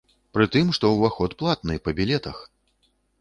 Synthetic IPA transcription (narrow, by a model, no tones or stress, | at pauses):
pɾɨt̪ɨmʂt̪ɔwvaxɔt̪plˠat̪nɨpɐbʲilʲɛt̪ɐx